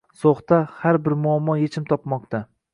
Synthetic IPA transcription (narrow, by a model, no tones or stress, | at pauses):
soχt̪ahaɾbɪɾmʊamːɒjet͡ʃʰɪmt̪ʰɒpmɒq̚t̪ʰa